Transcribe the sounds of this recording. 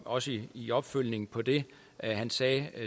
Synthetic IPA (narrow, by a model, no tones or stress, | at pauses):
ɒ̽səiiɒ̽b̥føl̰ne̝ŋ̩pʰɒ̽d̥e̝ | ɦænsɛː